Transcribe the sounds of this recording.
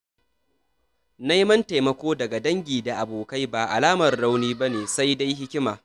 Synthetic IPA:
na˦jmɐ˦nta˨jmɐ˨kʷoː˦dɐ˨ɡa˨dɐ˦ŋɡʲiː˨da˨ʔa˨boː˨ka˦jbaː˨ʔa̰˨laː˦mɐ˨rːa˦wniː˦bɐ˦neː˨sa˦jda˦jɦɪ˦kʲɪ˦maː˨

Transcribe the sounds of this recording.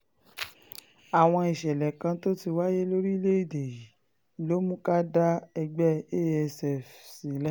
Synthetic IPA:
a˨w̃ɔ̃˧i˨ʃɛ˨lɛ˨kã˧to˦ti˧wa˦je˦lo˦ɾi˦le˦i˦˨de˨i˨ | i˨lo˦mũ˦ka˦da˦ɛ˧ɡ͡bɛ˦e˦ɛ˧sɛ˦˨fsi˨˦lɛ˦

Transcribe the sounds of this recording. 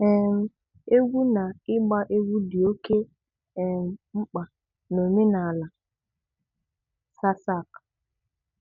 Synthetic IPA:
ɛ˨m̩˨ | e˦ɡʷu˦na˨ɪ˦ɡ͡ba˦ʔe˦ɡʷu˦di˨o˦ke˦ | ɛ˨m̩˨ŋ͡m̩˦k͡pa˨ | no˨me˦na˨la˨ | sa˦sa˦˨k

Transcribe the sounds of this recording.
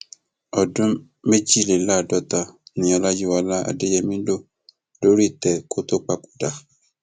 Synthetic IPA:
ɔ˨dũ˦ | me˦d͡ʒi˦le˨la˦˨dɔ˨t̪a˨nĩ˨ɔ˨la˦ji˦wa˨la˦a̰˨de˦jɛ˦mĩ˦do˦ | do˦ɾi˦˨t̪ɛ˨ko˦t̪o˦k͡pa˦ku̥˨da˨

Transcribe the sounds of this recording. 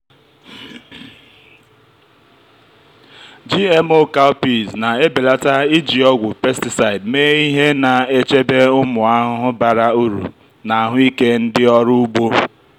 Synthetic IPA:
d͡ʒi˦e˦mo˦ka˦ʊ˦pi˨zna˨e˦be˨la˦ta˦i˦d͡ʒi˨ɔ˦ɡʷʊ˨pe˦sti˨sa˨ɪ˨dmeː˦i˦ɦe˦na˨e˦t͡ʃe˦be˦ʊ˦mʊ˨a˦ɦʊ˦ɦʊ˦ba˨ɾa˦u˦ɾṵ˨ | na˨a˦˨ɦʊ˦i˦ke˦n̩˦dɪ˦ɔ˦ɾʊ˦u˦ɡ͡bo˦

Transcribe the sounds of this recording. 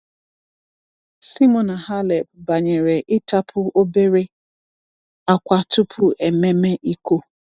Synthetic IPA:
si˦mɔ˨na˨ha˦le˨b̚ba˨ɲe˨ɾe˨ʔɪ˦ta˦pʰʊ˦o˦be˦ɾe˦ | a˦kʷa˦tʊ˦pʰʊ˦ʔe˨me˦me˦ʔi˦ko˦

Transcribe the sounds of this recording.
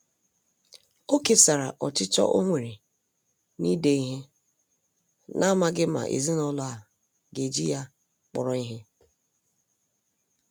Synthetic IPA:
o˦ke˨sa˨ɾa̰˨ʔɔ˨t͡ʃɪ˦t͡ʃɔ̰˦ʔo˦ŋʷe˨ɾe˨ | ni˦de˨i˦ɦe˦ | nʔa˦ma˦ɡɪ˦ma̰˨ʔḛ˨zi˦nɔ˦lʊ˦a˨ | ɡe˨d͡ʒi˦ja˦ | k͡pɔ̰˨ɾɔ˨i˦ɦe˦

